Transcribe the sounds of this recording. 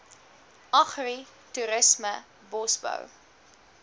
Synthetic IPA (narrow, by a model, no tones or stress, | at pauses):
ʔɐχri | tuɾəsmə | bɔsbə̰w